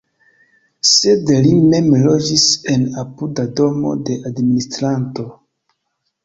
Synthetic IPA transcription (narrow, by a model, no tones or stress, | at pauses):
se̞dlime̞mlo̞d͡ʒise̞napudado̞mo̞̰de̞ʔadministɾanto̞